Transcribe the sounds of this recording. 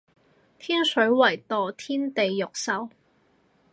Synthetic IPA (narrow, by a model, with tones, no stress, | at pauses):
t̪ʰiː˥nsɵ˨˥ɥwɐ˨˩jt̪ɔː˨t̪ʰiː˥nt̪e˨jːʊ˨k̚sɐ˨˥w